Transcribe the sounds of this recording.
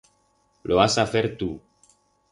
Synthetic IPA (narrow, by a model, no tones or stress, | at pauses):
loasafeɾt̪u